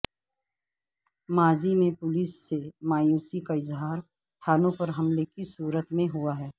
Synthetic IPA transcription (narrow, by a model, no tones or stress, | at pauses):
maːzimẽpʊliːsːemaːjuːsikaɪzɦaːɾ | t̪ʰaːnõpɐɾɦɐmlekisuːɾət̪mẽɦuaɦɛː